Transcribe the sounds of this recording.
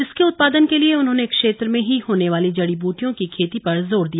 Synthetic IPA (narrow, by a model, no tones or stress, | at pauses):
ɪskeʊt̪̚paːd̪ənkelieʊnɦõːnekʃeːt̪ɾmẽɦiɦoːneʋaːlid͡ʒɐɽibuːʈijõkikʰeːt̪ipɐɾzoːɾd̪ija